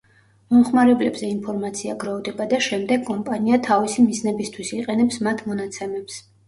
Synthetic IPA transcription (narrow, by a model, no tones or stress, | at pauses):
mɔmχmaɾɛblɛbzɛinpʰɔɾmat̪sʰiaɡɾɔvd̪ɛbad̪aʃɛmd̪ɛɡkʼɔmpʼaniat̪ʰavisimiznɛbist̪ʰwisiqʼɛnɛpsmat̪ʰmɔnat̪sʰɛmɛps